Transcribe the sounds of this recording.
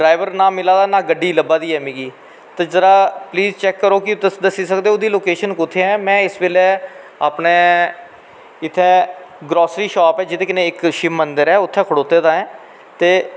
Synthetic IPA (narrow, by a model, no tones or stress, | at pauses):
ɖɾaːɪʋəɾnãːmɪlaːd̪aːnaːɡəɖiːləbaːd̪iːɛːmĩːɡiː | t̪ezəɾaːpliːzt͡ʃɛːkːəɾoːkɪd̪əsiːsəkd̪eːoːd̪iːloːkeːʃənkʊt̪ʰːeːɛːmɛ̃ːɪsʋeːlɛː | aːpneː | ɪt̪ʰːɛ̃ːɡɾɔːsɾiːʃɔːpɛːd͡ʒɪt̪ẽːkɪneːɪkʃɪmːənd̪əɾɛːʊt̪ʰːɛ̃ːkʰəɽoːt̪eːd̪aːɛ̃ː | t̪eː